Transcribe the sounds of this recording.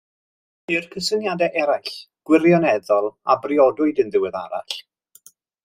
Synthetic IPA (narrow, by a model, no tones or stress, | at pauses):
ɪrkʰəsənjadɛʔɛɾajɬɡ̥wɪrjɔnɛðɔlˠabrɪɔdʊɨdənðɪwɛða̰ɾa̰ɬ